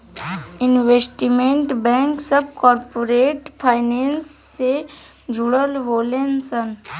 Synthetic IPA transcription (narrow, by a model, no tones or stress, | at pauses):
ɪnʋeːsʈimẽɳʈbɛ̃ːŋksəb̚kɔːɾpoɾeːʈpʰaːɪnẽːnsːe | d͡ʒʱʊɽəlʋoːlensən